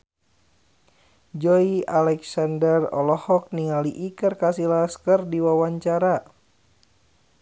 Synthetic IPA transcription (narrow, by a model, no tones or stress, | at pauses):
d͡ʒɔialɛksandərɔ̰lɔhɔk̚niŋaliʔikərkasilaskərdiwawaɲt͡ʃaɾa